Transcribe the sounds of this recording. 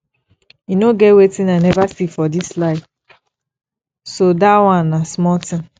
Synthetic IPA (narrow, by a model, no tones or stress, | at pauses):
inoɡɛwetĩnanɛvasifɔdislaɪ | sodawãnnasmɔtɪ̃m